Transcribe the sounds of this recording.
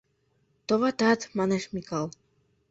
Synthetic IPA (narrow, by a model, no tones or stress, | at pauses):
t̪ovɑt̪ɑt̪mɑneʃmikɑlˠ